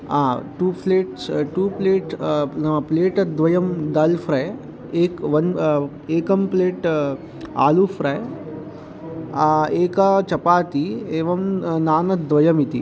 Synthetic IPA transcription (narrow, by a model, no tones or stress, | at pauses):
aːʈuːpleːʈsʈuːpleːʈsnɐpleːʈɐd̪ʋɐjɐmd̪ɐlfɾɐj | eːkʋɐn | eːkɐmpleːʈ | a̰ːlufɾɐj | aeːkat͡ʃɐpaːt̪ieːʋɐmnaːnɐd̪ʋɐjɐmit̪ḭ